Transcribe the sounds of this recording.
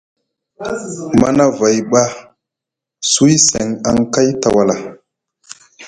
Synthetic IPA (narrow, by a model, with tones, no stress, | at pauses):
ma˦na˦va˨jɓa˦ | su˦jse˨ŋa˨ŋka˦jta˨wa˨la˨